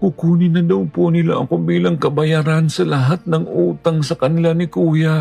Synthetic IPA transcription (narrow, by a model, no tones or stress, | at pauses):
kʊkuːnɪnɐd̪ɐwponɪlaʔɐkobiːlɐŋkɐbɐjaːɾansɐlɐɦat̪̚nɐŋʔuːt̪ɐŋsɐkɐnɪlanɪkuːja